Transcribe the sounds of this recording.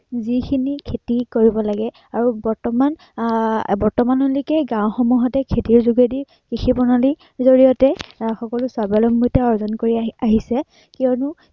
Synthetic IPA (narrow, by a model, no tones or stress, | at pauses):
zikʰinikʰetikoɹibɔlaɡɛ | aɹubɔɹtɔman | bɔɹtɔmanulikɛɡãw̃xɔmuɦɔtɛkʰetiɹzuɡediɹ | kixʰibɔnali | zoɹijɔtɛxɔkɔlʊsabalɔmbutɛɔɹzɔnkoɹiaaɦisɛ | kiɔnʊ